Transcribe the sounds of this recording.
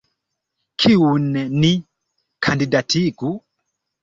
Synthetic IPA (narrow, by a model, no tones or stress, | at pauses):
kʰiun̩nɛni | kʰandidatiku